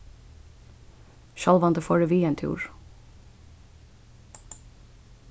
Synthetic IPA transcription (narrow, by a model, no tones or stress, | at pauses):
ʃɑlʋɑnd̪əfoːɖeʋiːɛnt̪ʰjṵːɹ